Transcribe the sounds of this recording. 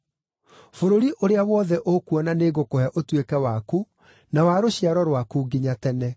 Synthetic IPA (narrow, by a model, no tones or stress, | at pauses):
foɾoɾiʔoɾeawɔðɛʔokuɔnaneɣokohɛʔotwekɛwaku | nawaɾoɕiaɾɔɾwakuɡiɲatɛnɛ